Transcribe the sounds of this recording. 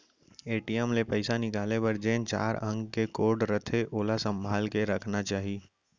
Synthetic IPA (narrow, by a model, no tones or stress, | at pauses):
eːʈiɛmlepɐɪsanɪkaːlepɐɾd͡ʒẽːnt͡ʃa̰ːɾə̃ŋɡkekoːɾɖɾət̪ʰeʔoːlasə̃mbʱaːlkeɾɐkʰnat͡ʃaːɦi